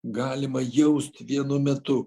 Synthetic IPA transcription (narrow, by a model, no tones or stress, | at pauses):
ɡɑːlʲɪmɐjɛʊst̪ʋʲiɛnʊmʲɛt̪ʊ